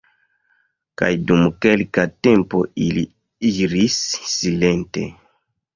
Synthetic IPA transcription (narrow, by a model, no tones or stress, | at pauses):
ka̰jdumke̞lkate̞mpo̞ili | iɾisːile̞nte̞̰